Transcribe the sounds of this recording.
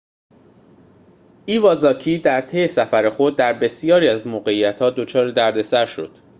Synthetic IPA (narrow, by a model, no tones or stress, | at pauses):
ʔiːvɒːzɒːcʰiːd̪æɾt̪ʰe̞jesæfæɾe̞xo̞d̪̚ːæɾbe̞sijɒːɾiːæzmoːɣe̞ijæt̪hɒːd̪o̞t͡ʃʰɒːɾed̪æɾd̪e̞sæɾʃo̞̰d̪̥